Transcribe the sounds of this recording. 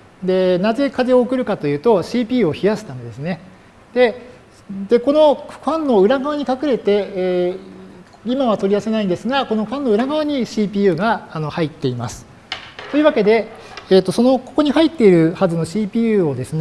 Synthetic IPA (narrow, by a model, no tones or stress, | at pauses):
d̪e̞naze̞kaze̞o̞ːkɯ̟ɾɯ̟kat̪o̞jɯ̟ːt̪o̞ɕiːpʲiːɯoçijaɕi̥t̪anod̪e̞sɨne̞ | d̪̥e̞ | d̪̥e̞ko̞no̞ɸãnːo̞ɯ̟ɾaɡaβaɲ̟ikakɯ̟ɾe̞t̪e̞ | imaβat̪o̞ɾʲiase̞naĩnd̪esɨɡako̞no̞ɸãnːo̞ɯ̟ɾaɡaβaɲ̟iɕiːpʲiːjɯ̟ːɡaːno̞hait̪ːe̞ima̰sɨ̥ | t̪o̞jiɯ̟βake̞d̪e̞ː | t̪ːo̞so̞no̞ko̞ko̞ɲ̟ihait̪ːe̞iɾɯ̟hazɨno̞ɕiːpʲiːɯːo̞d̪e̞sɨn